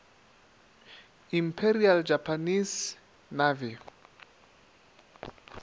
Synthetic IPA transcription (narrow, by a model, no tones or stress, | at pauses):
impʰɛɾiald͡ʒapʰanis | navi